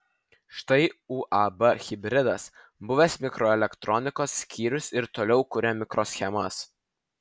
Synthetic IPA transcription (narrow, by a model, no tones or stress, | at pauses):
ʃt̪ɐɪuːʔɑbɐxʲɪbʲɾʲɪd̪ɐs | bʊʋʲesmʲɪkɾoːɛlʲɛkt̪ɾɔnʲɪkoːsːʲkʲiːɾʲʊsɪɾt̪oːlʲɛʊkʊɾʲɛmʲɪkɾoːsʲxʲɛmɐs